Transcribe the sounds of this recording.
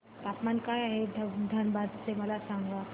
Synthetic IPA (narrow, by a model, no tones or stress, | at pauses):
t̪apmankajaɦedʱd̪ʱənbad̪t͡seməlasaŋɡʋa